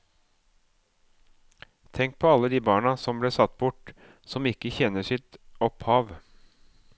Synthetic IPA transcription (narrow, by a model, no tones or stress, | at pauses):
t̪ʰɛŋk̚pʰɔɑlːəd̪iːbɑːɳɑsɔmbleːsɑt̪ːbʊʈ | sɔmɪkːəçɛnːəʂɪt̪ɔphɑːʋ